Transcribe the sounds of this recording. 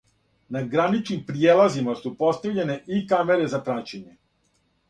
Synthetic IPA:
naɡɾanit͡ʃnimpɾijeːlˠazimasupo̞st̪aʋʎe̞ne̞ʔikame̞ɾe̞zapɾat͡ɕeɲe̞

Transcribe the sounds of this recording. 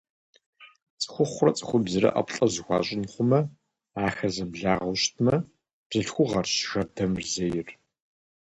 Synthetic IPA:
t͡sʼɨ̥xʷʊχʷrɐt͡sʼɨ̥xʷʊbzɨɾɐ̰ʔɐ̰pɬʼɐzɨxʷɑ̰ːɕʼɪnχʷʊmɐ | aːxɐzɐbɮaːʁɐɕtʰmɐ | b̥z̥ɨɬxʷʊʁɐrɕxɐrdɐmrzɐjɪr

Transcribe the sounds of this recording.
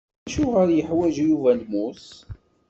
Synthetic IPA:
ʃuʁəɾjəħwæʒjuvælmus

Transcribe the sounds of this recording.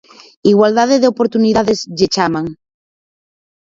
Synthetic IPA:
iɣwald̪aðeðeopoɾt̪uniðaðezʎet͡ʃamaŋ

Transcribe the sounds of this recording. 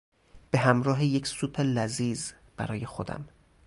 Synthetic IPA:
b̥e̞ɦæmɾɒːɦeje̞cʰsuːpʰelæziːz | b̥æ̰ɾɒːje̞xo̞d̪æ̰m

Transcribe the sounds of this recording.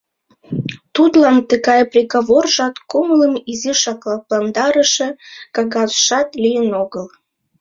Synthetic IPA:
t̪ut̪lɑnt̪əɣɑjprʲeɣaβorʒɑt̪kumələmiziʃɑklɑplɑnd̪ɑɾəʃekɑɣɑzʃɑt̪lʲijənoɣəl

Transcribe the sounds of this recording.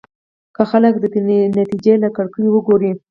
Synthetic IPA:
kaxaləkd̪ət̪nat̪id͡ʒelakaɽkəjwəɡoɾi

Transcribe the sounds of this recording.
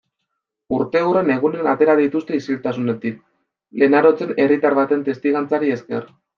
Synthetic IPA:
uɾt̪e̞ure̞ne̞ɣ̞une̞nat̪e̞ɾað̞it̪ust̪e̞isilt̪asune̞t̪ik̚ | le̞naɾo̞t͡se̞ne̞rit̪aɾβat̪e̞nt̪e̞st̪iɣant͡saɾie̞ske̞̰r

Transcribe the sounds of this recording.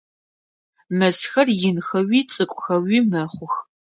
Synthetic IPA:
mɐsxɐrjɪnxɐwiːt͡sʼɨkʷʼʊxɐwiːmɐχʷʊx

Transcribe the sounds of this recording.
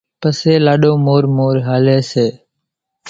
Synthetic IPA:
pəseːlaːɗoːmoːɾmoːɾɦaːleːseː

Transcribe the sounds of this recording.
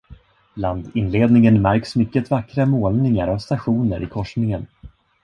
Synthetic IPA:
land̪ɪnleːd̪nɪŋənmæɾksmʏkːət̪vakːɾamoːlnɪŋaɾavst̪aɧuːnəɾʔɪkʰɔʂnɪŋən

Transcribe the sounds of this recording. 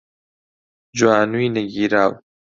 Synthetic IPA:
d͡ʒuwaːnuinɐɡiːɾaːw

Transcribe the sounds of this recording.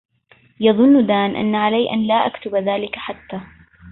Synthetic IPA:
jɑðˤʊnːd̪aːnʔa̰nːaʕalajʔanlaːʔakt̪ʊbðaːlɪkaħat̪ːaː

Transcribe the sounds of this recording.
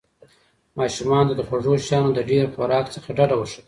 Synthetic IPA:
mɑʃumɑnt̪ad̪əxwaʐoʃjɑnod̪əɖeɾxʊɾɑkt͡səxaɖaɖawəʂa

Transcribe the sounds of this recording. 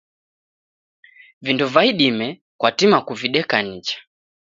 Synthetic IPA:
vinduvaiɗimɛ | kwatimakuviɗɛkanit͡ʃḁ

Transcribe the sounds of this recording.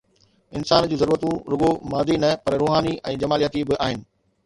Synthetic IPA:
ɪnsaːnd͡ʑũːzɐɾuːɾət̪ũɾʊɡomaːd̪inɐpɐɾɾoːɦaːniʔɛ̃ːd͡ʑɐmaːlijət̪ibɪʔaːɦɪnɪ̆

